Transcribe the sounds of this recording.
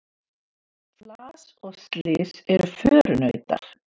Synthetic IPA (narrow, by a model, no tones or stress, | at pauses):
flaːsɔɣst̪lɪːsɛɾʏfœːɾʏnœɥt̪a̰ɾ̥